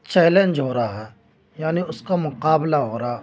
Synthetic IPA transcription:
t͡ʃɛːlẽnd͡ʒɦoːɾaaɦɛː | jaːniʊskamʊqaːblaɦoːɾaa

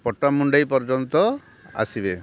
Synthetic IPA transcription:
pɔʈːamuɳɖajpɔɾd͡ʒɔnt̪ɔ | a̰sibe

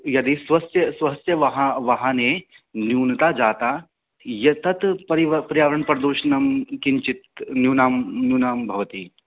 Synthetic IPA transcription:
jɐd̪isʋɐst̪jɐsʋɐst̪jɐʋɐɦaʋɐɦãne | njuːnt̪ad͡ʒaːt̪aː | jɐt̪ɐt̪pɐɾiʋɐpɐɾijaːʋɾɐɳpɐɾd̪uːʃnɐmkiɲt͡ʃit̪njuːnaːmnjuːnaːmbʱɐʋɐt̪iː

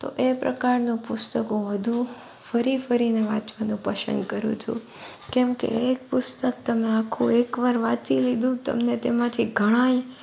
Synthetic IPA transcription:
t̪o̰ʔepɾə̰kaɾnũpʊst̪əkũʋəd̪ʱũ | fəɾifəɾineʋãt͡ʃʋanũpəsə̰̃nd̪kəɾṵ̃t͡ʃʰṵ | kɛmkḛek̚pʊst̪ək̚t̪əmeakʰũekʋaɾʋat̪ʰilid̪ʱũt̪ə̰mnet̪emãt̪ʰiɡʱəɽ̃ãj

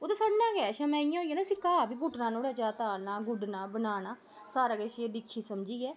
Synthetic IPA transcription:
oːt̪aːsaːɽnãːɡɛːʃãmɛ̃ːɪãɦoːijaːnaːsiːkaːbiːɡʊʈnãːnoːɽɛːt͡ʃaːt̪aːnaːɡʊɖnãːbənaːnaː | saːɾaːɡɛʃed̪ɪkʰːiːsəmd͡ʒiːɡɛː

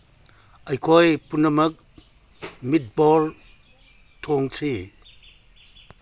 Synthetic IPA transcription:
ɐjkʰojpunɐmɐk̚ | mit̚bɔl | tʰoŋsʰi

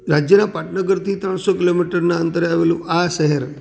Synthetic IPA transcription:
ɾad͡ʒjənapaʈnəɡəɾt̪ʰit̪ɾəɳ̃sokilomiʈəɾnaənt̪əɾeaʋelũʔaʃəɦəɾ

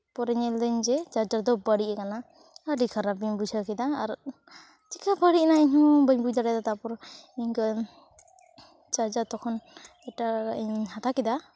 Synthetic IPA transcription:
pɔɾɛɲɛld̪əɲd͡ʒɛt͡ʃad͡ʒaɾd̪ɔbəɽiʔɛkana | aɖikʰaɾabiɲbud͡ʒakɛd̪aaɾ | tikʰabəɽiʔnaiɲhɔbəɲbujd̪aɾɛd̪at̪apɔɾiɲkə | d͡ʒad͡ʒat̪ɔkʰɔn | ɛʈaiɲhat̪akɛd̪a

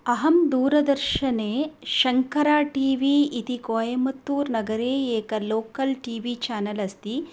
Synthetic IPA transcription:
ɐɦɐmd̪uːɾɐd̪ɐɾʃɐneːʃɐŋkɐɾaːʈiːʋiːit̪ikoːjɐmɐt̪ːuːɾnɐɡɐɾeːeːkɐloːkɐlʈiːʋiːt͡ʃaːnɐlɐst̪i

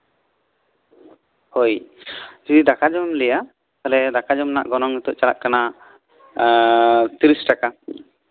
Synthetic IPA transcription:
hojd͡ʒid̪id̪akad͡ʒɔmlɛja | t̪alɛd̪akad͡ʒɔmna̰ʔɡɔnɔŋit̪ɔʔt͡ʃala̰ʔkana | t̪iɾisʈaka

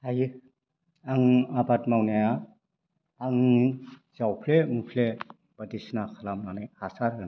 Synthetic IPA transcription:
aj | aŋabatmawnaja | aŋ | zawpʰlemupʰle | b̥adisnakʰalamnanajhasaɾɯn

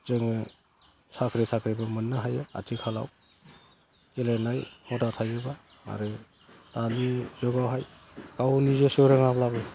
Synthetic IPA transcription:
zɯŋɯ | sakʰɾetʰakʰɾebɯmɯnːaɦajɯa̰tʰikʰala̰w | elajnajmɔtatʰajɯba | a̰ɾɯ | talizɔɡawɦaj | kawnizesɯɾaŋaplabɯ

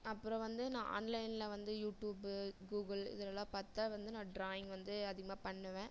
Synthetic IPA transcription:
ɐpːɯɾɔ̃ʋɐnd̪ɯnãːʔa̰nlɐɪnlɐʋɐnd̪ɯjuːʈjuːbɡuːɡɐlɪ̰ðɐlɐlːãːpɐt̪ːaːʋɐnd̪ɯnãːɖɾaːjɪ̃ŋɡʋɐnd̪ɯɐðɪɣɐmaːpɐɳːɐʋẽː

